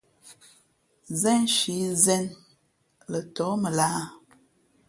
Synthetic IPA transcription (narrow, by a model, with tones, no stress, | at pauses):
zɛ˦nʃi˨˦zɛ˦n | lə˨tɔ˨˦mə˨laː˦